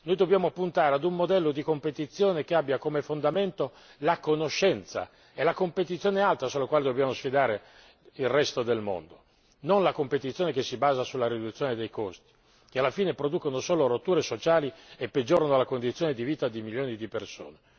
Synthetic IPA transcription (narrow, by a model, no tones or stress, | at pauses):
nojd̪objaːmoapːunt̪aːɾead̪umːod̪ɛlːod̪ikompet̪it̪sːjoːnekeabːjakomefond̪ament̪o | lakonoʃːɛnt̪sa̰ | elakompet̪̬it̪sːjoːnealt̪ɾasolakwaːled̪objaːmosfid̪aːɾe | ilrɛst̪od̪elmo̰nd̪o | nonlakompet̪it̪sːjoːnekesːibaːzasulːaɾid̪ut̪sjoːned̪ejkost̪i̥ | k̟ealːafiːnepɾod̪ukonosoːlorot̪ːuːɾesot͡ʃaːliepːed͡ʒoːɾanolakond̪it̪sːjoːned̪iviːt̪ad̪imiljoːnid̪iperso̰ːne